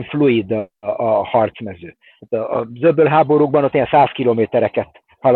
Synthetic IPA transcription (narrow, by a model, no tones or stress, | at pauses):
ɱfluid̪ | hɒrt̪smɛzøː | aːt̪ɒ̰ːzøbøːlɦaːbo̞ɾuːɡ̚bɒnot̪ːijɛnsaːskiloːmeːt̪ɛɾɛkɛt̪ | hɒl